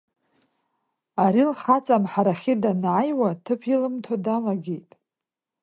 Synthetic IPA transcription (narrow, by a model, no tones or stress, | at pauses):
aɾilχat͡sʼamħaɾaχʲɪdanʕajwatʰɨpʰilɨmtʰadalaɡʲejtʼ